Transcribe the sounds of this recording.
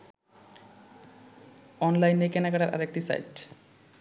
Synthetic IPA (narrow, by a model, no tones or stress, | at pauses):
ɔnlajnːejkɛnakaʈaɾʔa̰ɾek̚ʈisa̰jʈ